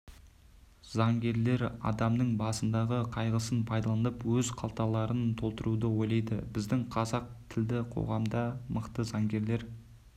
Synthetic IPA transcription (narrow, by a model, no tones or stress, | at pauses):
zɑŋɡʲe̞ɾle̞ɾɑ̰d̪ɑmnəɴbɑsənd̪ɑʁəqʰɑjʁəsənpʰɑjd̪ɑlˠɑnəpwɵzqʰɑlˠt̪ɑlˠɑɾənt̪ʰo̞lˠt̪əɾud̪əwo̞jlˠɑjd̪ə̰bɪzd̪ɪŋqʰɑzɑq̚t̪ʰɪld̪ɪqʰo̞̰ʁɑmd̪ɑməqt̪əzɑŋɡʲe̞ɾle̞ɾ